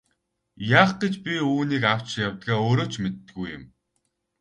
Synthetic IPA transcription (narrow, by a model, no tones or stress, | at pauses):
jaːχɡ̥et͡ɕpʲiuːniːkaw̥t͡ɕjawt̪ɣaːoːɾoːt͡ɕʰmet̪ːɘ̆ɣujʊ̰̆m